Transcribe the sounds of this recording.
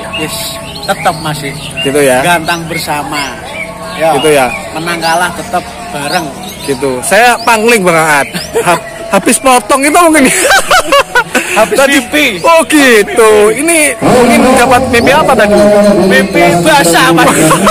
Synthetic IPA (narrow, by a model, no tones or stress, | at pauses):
jɛs | t̪ət̪əp̚masɪh | ɡ̥it̪ujaɡant̪aŋbərsama | jaɡit̪ujamənaŋɡalaht̪ət̪əp̚ | b̥aɾəŋ | ɡ̥it̪usajapaŋlɪŋbəŋaat̪̚ha | habɪspɔt̪ɔŋit̪̬umuŋkɪnja | aaɔhɡit̪uinimuŋkɪnd͡ʒapat̪̚bepeapat̪akəmepebəasamas